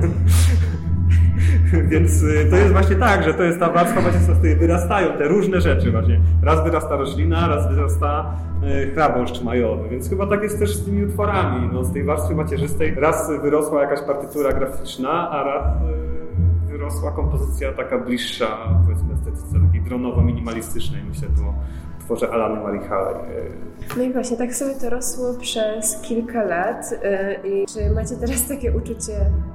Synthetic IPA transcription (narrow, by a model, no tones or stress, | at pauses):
vʲjɛnt̪st̪ɔjɛst̪vwaɕɲɛt̪aɡʐɛt̪ɔjɛst̪ːavaɾsfamat͡ɕɛst̪fast̪ujɛvɨɾast̪ajɔ̃w̃t̪ɛɾuʐnɛʐɛt͡ʂɘvwaɕɲɛɾazvɘɾast̪aɾɔɕlʲinaɾazvɘɾast̪a | xɾabɔ̃ʂt͡ʂmajɔvɨvʲjɛnt̪sxɘbat̪akjɛst̪t̪ɛʂst̪ɘmʲiut̪fɔɾamʲinɔst̪ɛjvaɾst̪fʲɘmat͡ɕɛʐɘst̪ɛjɾasvɘɾɔswajakaɕpaɾt̪ɘt̪uɾaɡɾafʲit͡ʂnaʔaɾas | ɾɔswakɔmpɔzɘt̪sʲjat̪akablʲiʂːapɔvʲɛt̪mɨst̪ɛt̪sɘt̪sʲjat̪akʲejd̪ɾɔnɔvɔmʲiɲʲimalʲist̪ɘt͡ʂnɛjmɘɕlɛt̪ɔ | t̪fɔʐɛʔalanɛmaɾixalɛ̰j̰ | nɔivwaɕɲɛt̪aksɔmʲɛt̪ɔɾɔswɔpʂɛskʲilkalat̪it͡ʂɘmat͡ɕɛt̪ɛɾast̪akʲɛʔut͡ʂut͡ɕɛ